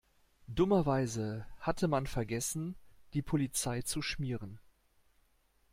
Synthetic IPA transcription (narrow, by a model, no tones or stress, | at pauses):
dʊmɐvaɪzəhatʰəmanfɛɐɡɛsn̩d̥iːpʰolit͡saɪt͡suʃmiːʁən